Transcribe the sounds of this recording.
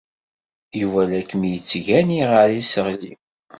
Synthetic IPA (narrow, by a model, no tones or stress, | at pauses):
ivælækːmijət͡sːʝæniʁəɾisəʁli